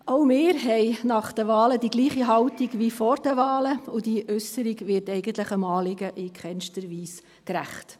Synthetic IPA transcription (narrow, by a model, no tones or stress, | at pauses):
ʔoʊmɪːɾɦɛɪnɑχd̥əʋɑːlədiɡliːχiɦɑʊtiɡʋifɔɾd̥əʋɑːləʊd̥iʔœsəɾiɡʋɪːtɛɪɡ̥ən̩tləχəmɑːlɪɡəʔɪkχɛnʃtəɾʋiːs | kɾæ̰χt